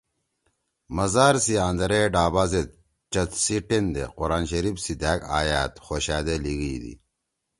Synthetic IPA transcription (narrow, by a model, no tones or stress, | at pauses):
mɐzaːɾsiãːnd̪ɐɾeɖaːbaːzet̪̚ | t͡ɕɐt̪siʈend̪ḛquɾaːnɕɐɾifsid̪æːkaːjaːt̪xoːɕaːd̪eliɡid̪ḭ